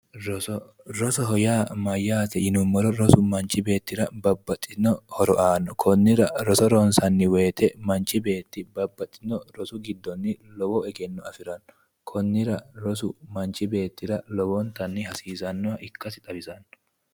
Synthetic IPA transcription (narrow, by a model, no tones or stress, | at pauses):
ɾɔsɔ | ɾɔsɔɦɔjaːmɐjːaːt̪ɛɪnʊmːɔɾɔɾɔsʊmɐnt͡ʃɪbe̞ːt̪ːɪɾɐbɐbːɐt̪ʼːɪnɔhɔɾɔʔaːnːɔkʰɔnːɪɾɐɾɔsɔɾɔnsɐnːɪwe̞ːt̪ɛmɐnt͡ʃːɪbe̞ːt̪ːɪbɐbːɐt̪ʼːɪ̥nɔɾɔsʊɡɪd̪ːɔnːɪlɔwɔɛɡɛnːɔɐfɪɾɐnːɔ | kʰɔnːɪɾɐɾɔsʊmɐnt͡ʃɪbe̞ːt̪ːɪɾɐlɔwɔnt̪ɐnːɪhɐsiːsɐnːɔɐʔɪkːɐsɪt̪ʼɐbɪsɐnːɔ̥